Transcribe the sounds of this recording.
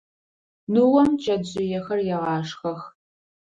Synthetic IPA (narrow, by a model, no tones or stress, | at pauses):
nuwɔmt͡ʃʼɐdʑʼɪjɛxɐrjɛʁɑːʂxɐx